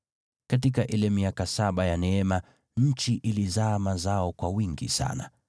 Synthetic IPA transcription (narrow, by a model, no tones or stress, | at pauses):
kat̬ik̬aʔilɛmiakasaɓajanɛɛma | ɲ̩t͡ʃiʔilizaːmazaɔkwawiŋɡisa̰na̰